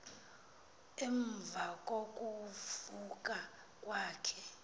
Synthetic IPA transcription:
ɛɱb̪vʱakʼokʼufukʼa | kʼwaːkʰɛ

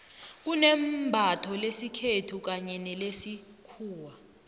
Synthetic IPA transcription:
k̬unɛmbʱatʰɔlesikʰetʰuk̬aɲɛnɛlesi | kʰuːwa

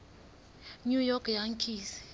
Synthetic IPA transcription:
ɲujɔkʰjaŋkʰis

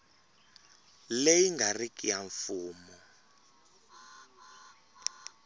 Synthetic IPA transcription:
lejiŋɡarikʼijaɱfuːmɔ

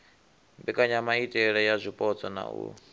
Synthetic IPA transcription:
mbɛkʼaɲamaitʼɛɺɛjazʷipʼɔt͡sɔna̰ṵ

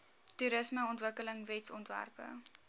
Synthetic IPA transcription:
tuɾəsməɔntvəkələŋvɛtsɔntvæ̰rpə̰

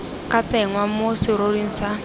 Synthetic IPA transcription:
kat͡sɛŋwamosiɾorin̩sa

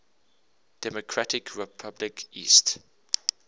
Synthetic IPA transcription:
d̥ɛmokʰɹatɪkʰɹɛpʰablɪkʰḭːst

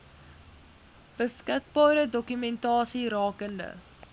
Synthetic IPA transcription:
b̥əskək̚bɑːɾədɔkymɛntɑːsiɾɑːkəndə̰

